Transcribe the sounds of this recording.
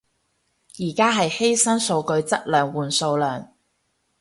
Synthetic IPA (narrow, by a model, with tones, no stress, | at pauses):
jiː˨˩kaː˥ɦɐ˨jhe˥jsɐ˥nso˧wkɵ˧ɥt͡sɐ˥t̚lœː˨ŋwuː˨nso˧wlœː˨˩ŋ